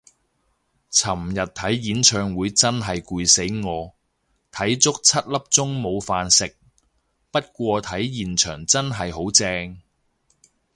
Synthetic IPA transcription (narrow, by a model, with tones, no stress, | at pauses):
t͡sʰɐ˨˩mjɐ˨t̚t̪ʰɐ˨˥jjiː˨˥nt͡ʃʰœː˧ŋwuː˨˧jt͡sɐ˥nɦɐ˨jkuː˧jse˨˥jŋɔː˨˧ | t̪ʰɐ˨˥jt͡sʊ˥k̚t͡sʰɐ˥t̚lɐ˥p̚t͡sʊ˥ŋmo˨˧wfaː˧nsɪ˨k̚ | pɐ˥t̚kʷɔː˧t̪ʰɐ˨˥jjiː˨nt͡ʃʰœː˨˩ŋt͡sɐ˥nɦɐ˨jɦo˨˥wt͡sɛː˧ŋ